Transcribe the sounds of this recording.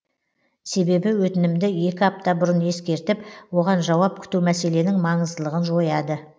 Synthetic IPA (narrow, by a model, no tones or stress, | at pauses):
se̞be̞bɪwɵt̪ɪnɪmd̪ɪje̞kʲɪɑp̚t̪ɑbʊɾənje̞skʲe̞ɾt̪ɪpwo̞ʁɑnʒɑwɑp̚kʲʰʏ̥t̪umæse̞le̞nɪŋmɑɴəzd̪əlˠəʁənʒo̞jɑd̪ə